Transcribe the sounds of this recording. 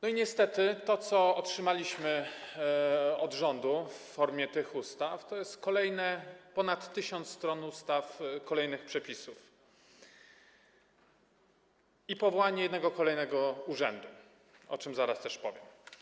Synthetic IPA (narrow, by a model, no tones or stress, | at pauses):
nɔiɲɛst̪ɛt̪ɘt̪ɔt̪sɔɔtʂɘmalʲiɕmɘ | ɔd̪ʐɔnd̪ufːɔɾmʲjɛt̪ɘxust̪aft̪ɔjɛst̪kɔlɛjnɛpɔnat̪ːɘɕɔnt̪sst̪ɾɔnust̪afkɔlɛjnɘxpʂɛpʲisuf | ipɔvɔwaɲɛjɛd̪nɛɡɔkɔlɛjnɛɡɔuʐɛ̰nd̪u | ɔ̰t͡ʂɘmzaɾast̪ɛʂpɔvʲjɛm